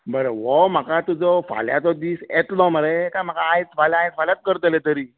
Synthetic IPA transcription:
bəɾəʋɔm̤akat̪ud͡zɔfa̰ljat̪ɔd̪iːsɛt̪lɔməɭekam̤akaːjt͡sfalaajt͡s̪faljat̪̚kəɾt̪əlet̪əɾiː

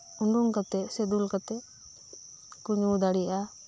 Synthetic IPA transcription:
uɳɖuŋkat̪ɛsɛd̪ulkat̪ɛ | kuɲud̪aɽia

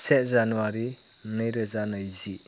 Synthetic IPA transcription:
sɛt̚zanuaɾi | nɯjɾɯzanajzi

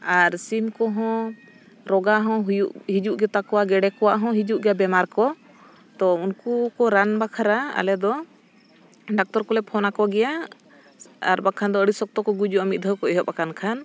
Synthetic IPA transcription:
aɾsimkɔɦɔ̃ | ɾɔɡaɦɔ̃ɦujuʔɦid͡ʒuʔɡɛt̪akɔwaɡɛɖɛkɔwaʔɦɔ̃ɦid͡ʒuʔɡɛabɛmaɾkɔ | t̪ɔunkukɔɾanbakʰaɾaa̰lɛd̪ɔ | ɖak̚t̪ɔɾkɔlɛpʰɔnakɔɡɛja | aɾbakʰand̪ɔəɽisɔk̚t̪ɔkɔɡud͡ʒuamit̪̚d̪ʱəwkɔɛɦɔp̚akankʰan

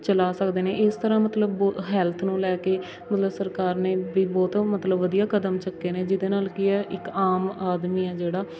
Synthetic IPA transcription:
t͡ʃəlaːsəkd̪eːneːʔɪst̪əɾãːmət̪ləbɔːɦɛːlt̪ʰnũːlɛːkeː | mət̪ləbsəɾkaːɾneːʋiːbɔːt̪mət̪ləbːəd̪ijaːkəd̪əmt͡ʃəkːeːneːd͡ʒɪd̪eːnaːlkɪɛːʔɪkaːmaːd̪miːɛːd͡ʒeːɽaː

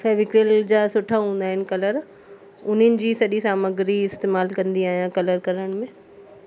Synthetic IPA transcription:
fɛːʋɪkɾeld͡ʑaːsʊʈʰaɦũːn̆d̪aːɦɪnɪ̆kɐləɾ | ʊn̤ənɪ̆d͡ʑiːsɐɗisaːməɡɾiɪst̪eːmaːlkɐ̃nd̪iaːɦijãkɐləɾkɐɾəɽ̃mẽ

